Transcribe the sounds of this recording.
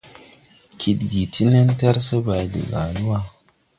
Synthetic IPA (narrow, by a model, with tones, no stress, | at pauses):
kʰi˨dɡi˨ti˦ne˦n˦ta˦ɾsɐ˦ba˨dḭ˨ɡa̰˨lu˦wa˦